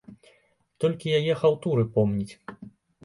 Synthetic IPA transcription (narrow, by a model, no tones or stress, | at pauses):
t̪ɔlʲkʲijajɛxawt̪uɾɨpɔmnʲit͡sʲ